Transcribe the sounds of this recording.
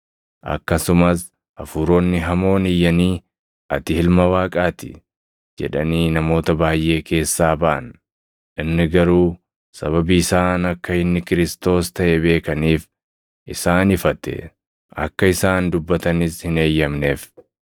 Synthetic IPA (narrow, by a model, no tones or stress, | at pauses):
ʔɐ̰kːɐsʊmɐs | ʔɐfuːɾo̞ːnːɪɦɐmo̞ːnɪjːɐniː | ʔɐt̪ɪhɪlmɐwaːkʼaːt̪ɪ̰ | d͡ʒɛ̰ᶑɐniːnɐmo̞ːt̪ɐbaːjʔe̞ːkʰe̞ːsːaːbɐʔɐ̰n | ʔɪnːɪɡɐɾuː | sɐβɐbiɪsaːnɐkːɐɪnːɪkɪɾɪst̪o̞ːst̪ɐʔɛbe̞ːkɐniːf | ʔɪsaːnɪfɐt̪ɛ̰ | ʔɐ̰kːɐɪsaːnd̪ʊbːɐt̪ɐnɪshɪne̞ːjːɐmne̞ːf